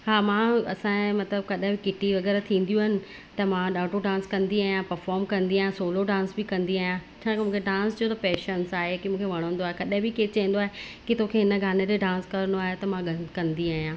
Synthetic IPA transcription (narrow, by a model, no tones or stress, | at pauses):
ɦaːmãːɐ̰sãmɐt̪ləb̚kɐɗɦɪ̃bɪkɪʈiʋɐɣɛːɾat̪ʰĩːn̆d̪jũɦɪnɪ̆ | t̪ɐmãɗaːʈoɖãːnskɐ̃nd̪iaːɦijãpɐɾfɔːɾmkɐ̃nd̪iaːɦjãsoːloɖãːnsbɪkɐ̃nd̪iaːɦijãt͡ɕʰãːkmũːkʰeɖãːnst͡ɕiot̪ɐpeːʃənsaːɦekimũːkʰeʋɐɽ̃ə̃ə̃nd̪oaːɦekɐɗɦɪ̃bɪket͡ɕɐɦĩn̆d̪oaːɦe | kit̪okʰeɦɪnə̆ɡʱaːned͡ʑeɖãːnskɐɾənoaːɦet̪ɐmãɡʱɐ̃nkɐ̃nd̪iaːɦijãː